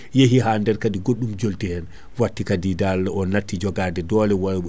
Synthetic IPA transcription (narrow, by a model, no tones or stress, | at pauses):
jeɦiɦandɛɾkadiɡoɗːumd͡ʒoltihɛn | watːikadidalːaɔnatːid͡ʒɔɡadɛdɔːlɛwaɾɓ